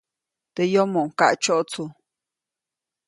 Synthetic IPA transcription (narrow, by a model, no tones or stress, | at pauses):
t̪ejomoŋka̰ʔt͡ʃoʔt͡sʰu